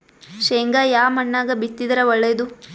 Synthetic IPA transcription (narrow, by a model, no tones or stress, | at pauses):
ʃeːŋɡajaːmɐɳːaːɡɐbit̪ːid̪ɐɾɐʋɐɭːed̪u